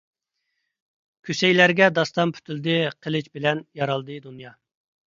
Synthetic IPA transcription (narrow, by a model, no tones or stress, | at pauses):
kʲʰysɛjlæɾɡʲɛd̪ɑst̪ɑmpʰy̥t̪ʰyld̪ɪqʰəlˠɨt͡ʃbɪlɛnjɑɾɑlˠd̪ɨd̪unjɑ